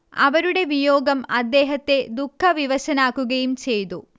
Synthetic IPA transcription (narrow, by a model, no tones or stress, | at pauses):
ɐ̰ʋɐɾuɽe̞ʋijoːɡɐmɐd̪ːe̞ːɦɐt̪ːe̞d̪ukʰːɐʋiʋɐɕɐnaːkːuɣɐjumt͡ɕe̞jt̪u